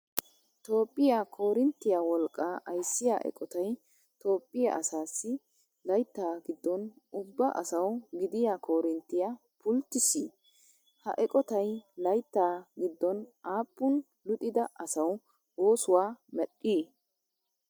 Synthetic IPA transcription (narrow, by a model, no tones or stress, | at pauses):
t̪o̞ːpʼːɪjakʰo̞ːɾɪnt̪ːɪjaːwɔlkʼːaːʔɐjsːɪja̰ʔɛ̰kʼɔt̪ɐj | t̪o̞ːpʼːɪja̰ʔɐsaːsːɪ | lɐjt̪ːaːɡɪd̪ːɔnʊbːɐʔɐ̰sɐwɡɪd̪ɪjakʰo̞ːɾɪnt̪ːɪja | pʊlt̪ːɪsiː | hɐ̰ʔɛkʼɔt̪ɐjlɐjt̪ːaːɡɪd̪ːɔnʔaːpːʊn | lʊt̪ʼɪd̪ɐʔɐsɐw | oːsʊwaːmɛɗːiː